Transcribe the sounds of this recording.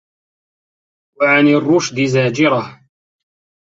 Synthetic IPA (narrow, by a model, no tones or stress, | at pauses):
waʕanɪrˤːʊʃd̪ɪzaːd͡ʒɪɾˤah